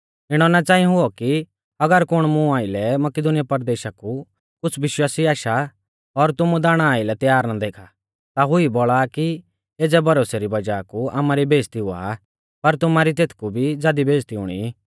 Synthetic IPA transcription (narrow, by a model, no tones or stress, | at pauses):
ɪɽ̃ɔnat͡ʃaːĩɦʊɔki | ɐɡəɾkʊɽ̃mũaːɪlɛmɐkɪd̪ʊnɪjapɐɾd̪eːʃaku | kʊt͡sʰʋɪʃwaːsiaːʃa | ɔɾt̪ʊmud̪aːɽ̃aːɪlɛt̪jaːɾnad̪eːkʰa | t̪aɦʊiboːɭaki | eːd͡zɛbʱɐɾoːseɾibɐd͡ʒaːkua̰ːmaɾibʱeːd͡zt̪iɦʊa̰ | pɐɾt̪ʊmaɾit̪eːt̪ʰkubʱid͡zaːd̪ibʱeːd͡ʒt̪iʊ̰ɽ̃ḭ